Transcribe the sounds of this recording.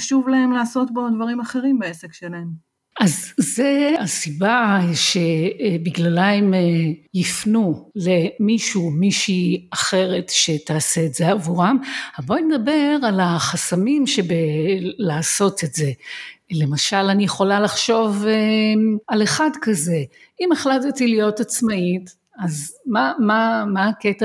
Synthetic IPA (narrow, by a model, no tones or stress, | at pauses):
ʃuvlae̞mlaːso̞tbodvaʁimaχe̞ʁimbeesekʃelaem | ʔazːeasibaʃe̞biɡlalajmjifnule̞miʃumiʃiaχe̞ʁe̞tʃe̞t̪aːseːtz̥e̞avuʁamaboned̪abe̞ʁalaχasamimʃebelaːso̞tetze̞le̞maʃalanijeχo̞lalaχʃo̞vealeχadkaze̞ | imeχlatatilijo̞tat͡smait | azmamamaːketa